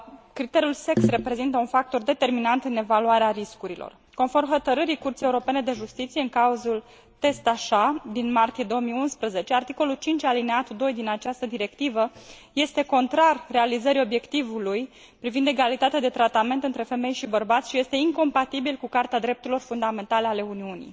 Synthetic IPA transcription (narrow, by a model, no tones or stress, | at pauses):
kɾit̪e̞ɾiulse̞ksre̞pɾe̞zint̪əunfak̚t̪o̞rd̪e̞t̪e̞rminant̪ɨne̞valuaɾeaɾiskuɾilo̞̰r | ko̞nfo̞rmxo̞t̪əɾɨɾikurt̪sijeuɾo̞pe̞ne̞d̪e̞ʒust̪it̪sije̞ɨŋkauzul | t̪e̞st̪aʃad̪inmart̪ije̞d̪o̞omijunspɾəze̞t͡ʃe̞art̪iko̞lult͡ʃint͡ʃʲalineat̪ud̪o̞jd̪inat͡ʃast̪əd̪iɾe̞kt̪ivəje̞st̪e̞ko̞nt̪ɾarʲːe̞alizəɾio̞bje̞kt̪ivuluj | pɾivind̪e̞ɡalit̪at̪ead̪e̞t̪ɾat̪ame̞nt̪ɨnt̪ɾe̞fe̞me̞jʃibərbat̪sʲʃije̞st̪e̞iŋko̞mpat̪ibilkukart̪ead̪ɾe̞p̚t̪uɾilo̞rfund̪ame̞nt̪ale̞ale̞uniunḭj